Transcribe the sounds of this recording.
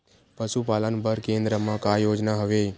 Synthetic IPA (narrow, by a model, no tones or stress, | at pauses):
pəʃupalənbəɾkẽnd̪ɾəmãkajod͡ʒnaɦəʋe